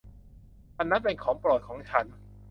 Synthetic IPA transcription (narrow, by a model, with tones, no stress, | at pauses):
ʔa˧nːa˦˥pe˧nkʰɔː˩˦ŋpɾɔː˨˩t̪̚kʰɔː˩˦ŋt͡ɕʰa˦˥n